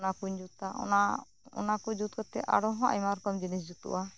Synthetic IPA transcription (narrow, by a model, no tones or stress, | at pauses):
nakuɲd͡ʒut̪aɔ̰na | ɔ̰nakuɲd͡ʒut̪̚kɔt̪ɛʔa̰ɽɔɦɔ̃ʔa̰jmaɾkɔmd͡ʒinis̬d͡ʒut̪ṵʔa